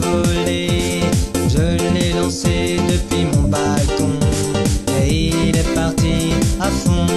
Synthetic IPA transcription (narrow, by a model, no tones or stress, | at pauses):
vɔle | ʒəlɛlɑ̃sed̪əpɥimɔ̃balkɔ̃ | eilɛpaʁt̪iafɔ̃